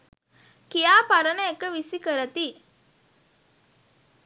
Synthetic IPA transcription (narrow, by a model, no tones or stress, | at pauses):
kijaːpaɾənəekəʋisikəɾət̪i